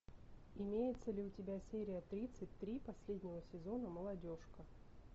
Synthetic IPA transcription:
ɪmʲejɪt̪səlʲɪʊtʲɪbʲasʲeɾʲɪjət̪ɾʲit̪sɨtʲt̪ɾʲipɐsʲlʲedʲnʲɪvəsʲɪzo̞nəməlˠɐdʲo̞ʂkə

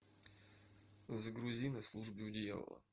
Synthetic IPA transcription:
zəɡɾʊzʲinəjslˠuʐbʲɪʊdʲɪja̰və̰lˠə̰

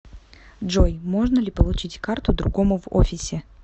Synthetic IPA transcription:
dʐojmo̞ʐnəlʲɪpəlˠʊt͡ɕitʲkart̪ʊd̪ɾʊɡo̞mʊvo̰fʲɪsʲɪ

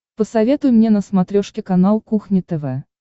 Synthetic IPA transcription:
pəsɐvʲet̪ʊjʊmnʲenəsmat̪ɾʲɔʂkʲɪkanalˠkuxnʲɪt̪ɛvɛ

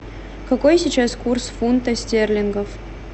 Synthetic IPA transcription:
kɐkojsʲɪt͡ɕaskursfunt̪əsʲtʲerlʲɪnɡəf

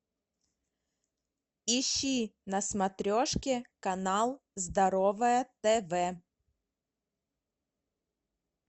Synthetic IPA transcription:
iɕːinɐsmɐt̪ɾʲɔʂkʲɪkɐnalˠ | zd̪ɐɾɔʋɨjɐt̪ɛvɛ

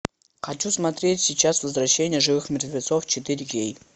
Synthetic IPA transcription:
χɐt͡ɕusmɐt̪ɾʲetʲsʲit͡ɕasvəzvrɐɕːenʲɪjəʐɨvɨxmʲɪrt̪vʲɪt̪so̞ft͡ɕʰɪt̪ɨɾʲɡʲej

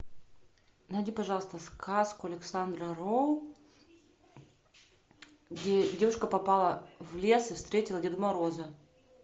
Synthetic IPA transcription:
nɐdʲipɐʐɑlˠst̪əskʰaskʊɐlʲɪksand̪ɾəɾow | ɡdʲedʲe̞vʊʂkəpɐpalˠəvlʲe̞sɨfst̪ɾʲetʲɪlˠədʲɛd̪əmɐɾo̞zə

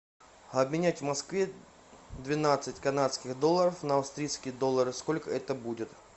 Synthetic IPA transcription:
ɐbmʲɪnʲætʲvmɐskvʲe | d̪vʲɪnat̪sɨtʲkɐnat̪skʲɪxd̪o̞lˠːəɾəfnəɐfst̪ɾʲiskʲɪjəd̪o̞lˠːəɾɨsko̞lʲkəɛt̪əbudʲɪt̪

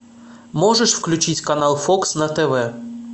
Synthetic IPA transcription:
moʐəʂfklʲʉt͡ɕitʲkɐnalˠfoksnɐt̪ɛvɛ

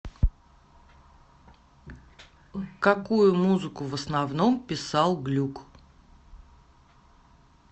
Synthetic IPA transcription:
kɐkujʊmuzɨkʊvəsnɐvnompʲɪsɑlˠɡlʲuk

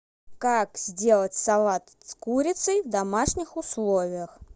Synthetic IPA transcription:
kakzʲdʲelˠətʲsalˠat̪ | skuɾʲɪt̪səjvd̪amaʂnʲɪxʊslˠovʲɪjəx

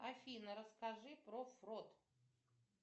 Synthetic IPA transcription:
ɐfʲinəɾəskɐʐɨpɾofɾot̪

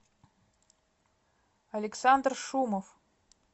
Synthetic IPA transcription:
ɐlʲɪksand̪rʂuməf

